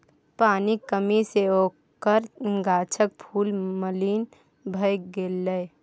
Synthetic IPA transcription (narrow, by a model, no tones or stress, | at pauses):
paːnikəmiseoː | kəɾɡaːt͡ʃʰək̚pʰuːlməliːn | bʱəjɡeːlːəj